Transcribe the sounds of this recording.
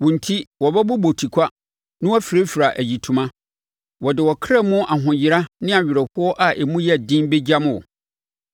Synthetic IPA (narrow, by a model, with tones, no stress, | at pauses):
wɔ̃˨n̩˨tʰi˦wɔ˨bɛ˦bʊ˦bo˨tʰi˨kʷʰa˦ | nɪ̃˦wɔ˦fi˨ɾe˦fi˨ɾa˨ʔæ˨ji˨tʰũ˨mã˦ | wɔ˨dɪ˨wɔ˨kʰɾa˦˨mʊ̃˦ʔa˨ɦʊ̃˨jɪ˨˦ɾa˦nɪ̃˦a˨ɥᶣɪ˨ɾɛ˨hʊ˦ɔ˦ʔa˨ʔe˨mũ˦jɛ˦˨dĩ˦nbe˦d͡ʑa˦m˦ɔ̰˨